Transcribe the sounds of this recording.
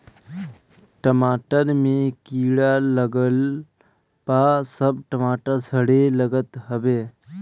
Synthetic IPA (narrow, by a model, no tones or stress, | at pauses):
ʈəmaːʈəɾmẽkiːɽaləɡəl | paːsəbʈəmaːʈəɾsəɽeləɡət̪ɦəbeː